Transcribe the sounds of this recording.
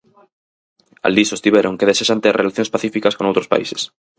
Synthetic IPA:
a̰ld̪isost̪iβeɾoŋkeðeseʃant̪erʔelaθjõnspaθifikaskoŋowt̪ɾospa̰ḭse̥s

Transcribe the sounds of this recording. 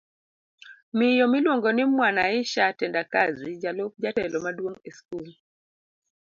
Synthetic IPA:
mɪjɔmɪlwoŋɡɔnɪmwanaɪʃatɛndakazid͡ʒalop̚d͡ʒatɛlɔmadwoŋeskul

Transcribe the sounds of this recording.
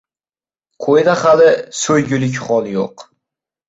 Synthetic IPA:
qʰojd̪aχalɪsɵjɡʲʊlɪkʲχɒlˠjo̰q

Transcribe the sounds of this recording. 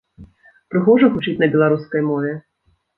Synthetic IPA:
pɾɨxɔʐɐxut͡ʃit͡sʲnɐbʲɛlˠaɾuskɐjmɔvʲɛ

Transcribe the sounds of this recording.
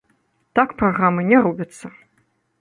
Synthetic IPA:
t̪akpraɣɾamɨnʲɛɾubʲɐt̪sːɐ

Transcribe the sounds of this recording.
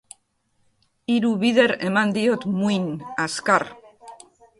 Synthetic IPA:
iɾuβiðeɾemand̪iot̪muinaskaɾ

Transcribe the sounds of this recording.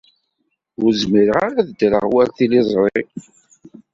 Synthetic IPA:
ʊɾzmiɾəʁaɾaðd̪ɾə̰ʁwælθilizˤɾˤe

